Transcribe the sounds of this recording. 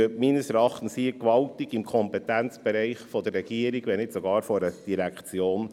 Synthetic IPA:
øtminəsɛɾɑχtn̩siːəkʋɑltiɡɪmkʰɔmpɛt̪ɛnt͡sb̥ɛɾɛɪχfɔd̥̪ərːɛɡ̥iəɾiɡʋɛnɪtsɔɡɑːɾfɔɾəd̥iɾækt͡sjoːn

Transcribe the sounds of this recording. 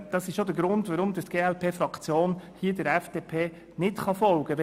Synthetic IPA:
d̥ɑsɪʃʃodəɾɡɾʊndʋaɾʊmd̪ət̪ɡ̥eːɛlpʰeːfɾɑkt͡sjoːnhiədəɾɛfd̥eːpʰeː | nɪtχɑfɔlɡ̥əʋɛ

